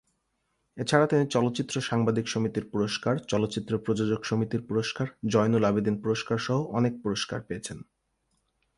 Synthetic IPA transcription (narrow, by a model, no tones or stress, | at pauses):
et͡ɕʰaɾat̪init͡ɕɔlot̪ːɕit̪ːɾoʃaŋbad̪ʱikʃomit̪iɾpuɾoʃkaɾt͡ɕɔlot̪ːɕit̪ːɾopɾod͡ʑod͡ʑoɡʃomit̪iɾpuɾoʃkaɾd͡ʑɔjnolabid̪inpuɾoʃkaɾʃɔɦoʔɔnek̚puɾoʃka̰ɾpeet͡ɕʰen